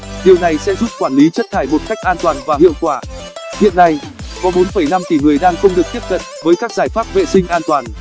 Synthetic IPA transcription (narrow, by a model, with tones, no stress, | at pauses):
ɗi˨˩əwna˨˩jsɛ̰˧˥zu˦˥p̚kwaː˧˩nli˨˦t͡ɕə˦˥t̚t̪ʰaː˧˩jmo˨˩t̚ka˦˥jk̟̚ʔaː˧nt̪waː˨˩nvaː˨˩hḭ˧˨əwkwaː˧˩ | hḭ˧˨ənːa˧j | kɔ˨˦ɓo˨˦nfə˧˩jna˧mk̪i˧˩ŋɨ˨˩əjɗaː˧ŋxə˧wŋ͡mɗɨ˨˩ək̚t̪i˦˥əp̚t̪ʰə˨˩t̚vəː˨˦jkaː˦˥k̚zaː˧˩jfaː˦˥p̚vḛ˧˨sï˧ŋ̟ʔaː˧nt̪waː˨˩n